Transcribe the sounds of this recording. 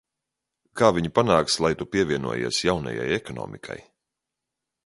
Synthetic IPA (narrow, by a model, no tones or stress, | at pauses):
kaːviɲupanaːkslˠajt̪upʲiɛviɛnṵɔjḛɛsjawna̰ja̰jɛkɔnɔ̰ːmʔikʰa̰j